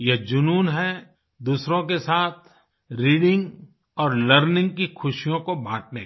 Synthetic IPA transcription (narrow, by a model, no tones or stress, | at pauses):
jed͡ʒʊnuːnɦɛ | d̪uːsɾõkesaːt̪ʰ | ɾiːɽɪ̃ŋɡ | ɔːɾləɾnɪ̃ŋɡ̚kixʰʊʃijõkobʱãːʈ̚ʰne